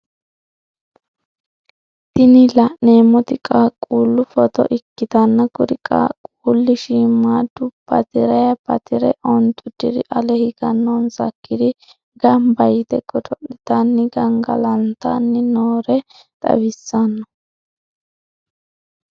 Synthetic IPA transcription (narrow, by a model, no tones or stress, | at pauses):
t̪ɪnɪlɐʔneːmːɔt̪ɪkʼakʼuːlːʊfɔt̪ɔ̰ʔɪkːɪt̪ɐnːɐkʊɾɪkʼa̰ːkʼuːlːɪʃimaːd̪ʊpɐ̰t̪ɪɾɐjɐpɐt̪ɪɾɛ̰ʔɔnt̪ʼːʊd̪ɪd̪ɪʔɐlɛhɪɡɐnːɔnsɐ̰kːɪd̪ɪ | ɡɐmbɐjɪt̪ɛɡɔd̪ɔʔɪt̪anːɪɡɐŋɡɐ̰lɐnt̪anːɪnoːɾɛ | t̪ʼɐ̰wɪsːɐnːɐ